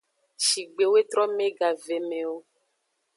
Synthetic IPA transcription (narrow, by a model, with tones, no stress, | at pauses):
ʃi˨ɡ͡be˨we˦t̪ɾɔ˦mẽ˦ɡa˨ve˨me˨wo˦